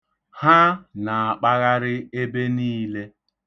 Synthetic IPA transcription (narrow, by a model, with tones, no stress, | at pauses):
ha˦na˨a˨k͡pa˦ɣa˦ɾɪ˦e˦be˦niː˦le˦